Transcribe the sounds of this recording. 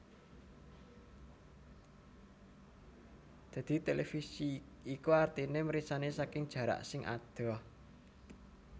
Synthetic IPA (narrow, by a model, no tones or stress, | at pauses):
d̪̥ä̤d̪̥i̤t̪elefisiː | kuart̪ineməɾisanesakɪŋd̥ʒ̥ä̤ɾa̰ʔsɪŋʔa̰d̪̥ɔ̤